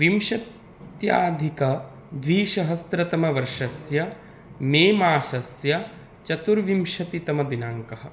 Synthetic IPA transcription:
ʋimʃɐt̪ | ja̰ːd̪ʱikɐ | d̪ʋiːʃɐɦɐst̪ɾɐt̪ɐmɐʋɐɾʂɐsjɐ | meːmaːʃɐsjɐ | t͡ʃɐt̪uɾʋimʃɐt̪it̪ɐmɐd̪inaːŋkɐɦɐ̆

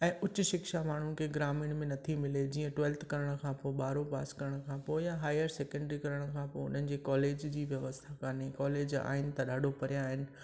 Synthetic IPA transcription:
ɛ̃ːʔʊt͡ɕʊ̆ʃɪkʃamaːɳ̤uɪ̆kʰeːɡɾaːmɪɽ̃mẽnɐt̪ʰimɪled͡ʑiːə̃ʈwɛːlt̪ʰkɐɾəɽ̃kʰãːpoːɪɓaːɾopaːskɐɾəɽ̃kʰãːpoːɪjaɦaːɪəɾseːkɛ̃ɳɖɾikɐɾəɽ̃ʊkʰãpoːɪʊ̰n̤ənɪ̆d͡ʑeːkɔːleːd͡ʑd͡ʑiːʋjɐʋəst̪ʰakaːnekɔːleːd͡ʑa̰ːɦɪnɪ̆t̪ɐɗaːɖʱopɐɾijaɦɪnɪ̆

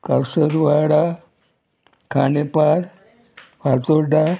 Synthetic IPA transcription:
kaɾsəɾʋaɽa | kʰanepaɾ | fat͡soɾɖa

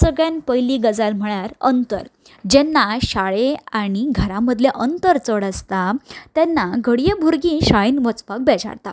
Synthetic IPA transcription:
səɡɭjãnpəjliːɡəd͡zalm̤əɭaɾə̰nt̪ə̰ɾ | d͡ʑɛnːaɕaɭeaɽ̃iɡʱəɾaməd̪ʱljeʔənt̪əɾt͡səɽəst̪at̪ɛnːaɡʱəɽijəbʱuɾɡĩːɕaɭinʋət͡spak̚bɛd͡ʑa̰ɾt̪a

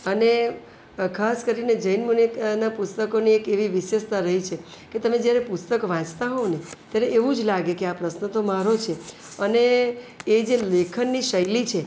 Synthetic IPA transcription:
əne | kʰaskəɾined͡ʒəinmunit̪napust̪əkoniekeʋiʋɪʃest̪ʰaɾəɦit͡ʃʰe | ket̪əmẽd͡ʒjaɾepust̪əkʋãt͡ʃt̪aɦoʋnet̪jaɾeʔːʋũd͡ʒlaɡekeapɾəsnət̪omaɾot͡ʃʰe | əneː | d͡ʒelekʰənːiʃəjlit͡ʃʰe

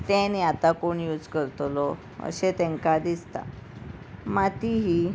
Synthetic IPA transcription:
t̪ɛ̃niat̪akoɳjud͡zkəɾt̪lɔ | ə̰ɕet̪ɛ̃ŋkad̪ist̪a̰ | mat̪iɦi

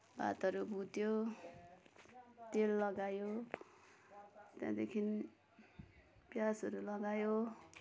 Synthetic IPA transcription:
ba̰t̪ʌɾubʱut̪jo | t̪elːʌɡajo | t̪jã̰d̪ekʰin | pjasʌɾulʌɡajo

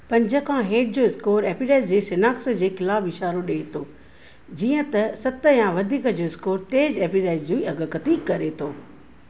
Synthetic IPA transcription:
pɐ̃ɲd͡ʑəkʰãɦeːʈ̚d͡ʑoːɪskoːɾeːpiɾaːɪzd͡ʑeːsɪnaːksəd͡ʑeːxɪlaːbɪʃaːɾoɗet̪ʰoː | d͡ʑiːə̃t̪ɐsɐt̪ə̆jãʋɐd̪ʱiːkə̆d͡ʑoːɪskoːɾt̪eːd͡ʑeːpiɾaːɪzd͡ʑoːiɐɡə̆kɐt̪iːkkɐɾet̪ʰoː

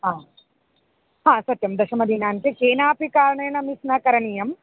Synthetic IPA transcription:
ɦaː | ɦãːsɐt̪ːjɐmd̪ɐʃɐmɐd̪iːnaːnkekeːnaːpikaːɾɐɳeːnɐmisnakɐɾɐɳijɐm

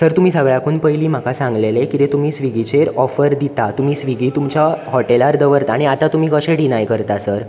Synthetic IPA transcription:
səɾt̪um̤iːsəɡɭjãkuːnpəjliːm̤akasãŋɡlelekit̪et̪um̤iːsʋiɡit͡ɕeɾɔfəɾd̪it̪at̪um̤iːsʋiɡiːt̪umt͡ɕahɔʈelaɾd̪əʋəɾt̪aɽ̃iat̪at̪um̤iːkəɕeɽinajkəɾt̪asəɾ

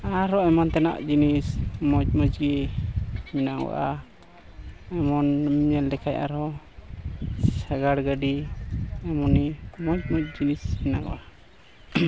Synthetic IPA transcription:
aɾɔɛmant̪ɛna̰ʔd͡ʒinismɔt͡ʃ̚mɔd͡ʒɡɛ | minaʔɡɔ̰ʔa | ɛmɔnɲɛldɛkʰajʔa̰ɾɔ | saɡaɽɡaɖi | ɛmɔnimɔt͡ʃ̚mɔt͡ʃ̚d͡ʒinisminaɡɔ̰ʔa

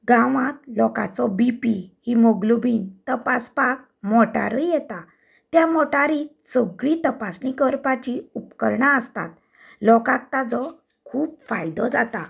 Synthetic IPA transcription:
ɡãʋãt̪lɔka̰t͡sɔbipihimɔɡlubiːnt̪əpaspak̚mɔʈa̰ɾəjɛt̪a | t̪jamɔʈaɾi | səɡɭit̪əpasnikəɾpat͡ɕiupkəɾɳaəst̪a̰t̪ | lɔkak̚t̪ad͡zɔ | kʰuːpfajd̪ɔd͡zat̪a

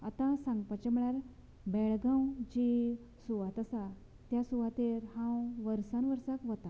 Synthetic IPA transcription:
at̪ãsãŋɡpat͡ɕɛm̤əɭaɾ | bɛɭɡãwd͡ʑi | suʋat̪əsa | t̪jasuʋat̪eɾhãwʋəɾsãnʋəɾsəkʋət̪a

